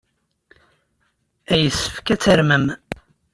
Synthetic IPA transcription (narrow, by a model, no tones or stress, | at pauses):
æjəsːə̥fkæt͡sːəɾməm